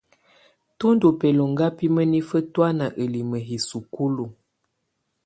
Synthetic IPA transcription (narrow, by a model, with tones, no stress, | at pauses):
to˦n˦do˨pɛ˨lo˨ŋɡa˦pi˦mə˦ni˦fə˦twa˦na˨ʔə˨li˨mə˨ɦi˨su˨ku˦lo˨